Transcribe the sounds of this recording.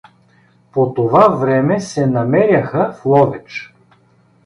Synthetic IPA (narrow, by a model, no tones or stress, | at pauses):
pot̪ovavɾɛmɛsɛnɐmɛɾʲjɐxəflˠɔvɛt͡ʃ